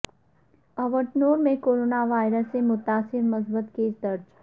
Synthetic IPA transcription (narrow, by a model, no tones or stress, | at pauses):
ɐʋəɾʈnoːɾmẽkoːɾoːnaʋaːɪɾəsːemʊt̪aːsɪɾmɐsbət̪keːsd̪ɐɾd͡ʒ